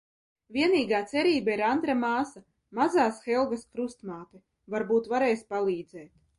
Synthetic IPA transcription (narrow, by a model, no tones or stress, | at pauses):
vʲiɛniːɡaːt̪sɛɾiːbaiɾand̪ɾamaːsa | mazaːsxɛlˠɡaskɾust̪maːt̪i | vaɾbuːt̪vaɾɛjspalˠiːd̪zɛːt̪